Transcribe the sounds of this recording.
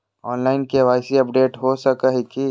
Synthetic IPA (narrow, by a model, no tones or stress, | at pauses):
ɔːnlaːɪnkeʋaːɪsiɐpɖeːʈɦosəkəɦeki